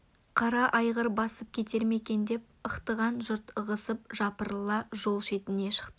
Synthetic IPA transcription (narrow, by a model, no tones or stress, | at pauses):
qʰɑɾɑʔɑjʁəɾbɑsəp̚kʲʰe̞t̪e̞ɾme̞kʲe̞nd̪e̞p̚əqt̪əʁɑnʒʊɾt̪əʁəsəp̚ʒɑpəɾəlˠɑʒo̞lˠʃe̞t̪ɪne̞ʃə̥qt̪ə